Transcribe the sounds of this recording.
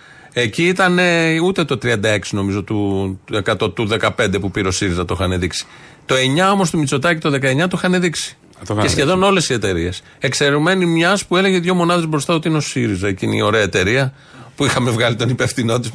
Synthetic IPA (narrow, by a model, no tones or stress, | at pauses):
e̞ciit̪ɐne̞ut̪e̞t̪o̞t̪ɾiɐnd̪ɐe̞ksino̞mizo̞t̪ue̞kɐt̪o̞t̪uðe̞kɐpe̞nd̪e̞pupiɾeo̞siɾizɐt̪oxɐneðiksi̥t̪o̞e̞ɲɐo̞mo̞st̪umit͡so̞t̪ɐcit̪oðe̞kɐe̞ɲɐt̪uixɐneðiksi̥ | esçe̞ðo̞no̞le̞sie̞t̪e̞ɾie̞s | e̞kse̞ɾume̞nimɲɐspue̞le̞ʝe̞ðʝo̞mo̞nɐðe̞zbɾost̪ɐot̪iineo̞siɾizɐeciinḭo̞ɾe̞ɐet̪e̞ɾiɐ | puixɐme̞vɣɐlit̪onipefθino̞t̪̬is